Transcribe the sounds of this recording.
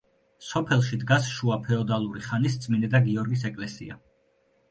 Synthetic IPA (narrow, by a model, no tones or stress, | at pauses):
sɔpʰɛlˠʃid̪ɡasʃuapʰɛɔd̪alˠuɾiχanist̪sʼminɛd̪aɡiɔɾɡis̬ɛkʼlɛsḭa̰